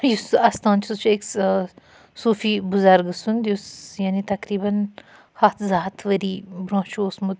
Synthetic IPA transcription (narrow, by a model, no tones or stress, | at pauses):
jusɐst̪ãːnt͡ʃʰiut͡ʃʰeks | suːfibuzɐɾɡɨsund̪jusjaːnit̪ɐkɾiːbɐn | hɐt̪ʰzaːt̪ʰʋɐɾibɾõːt͡ʃuːsmud̪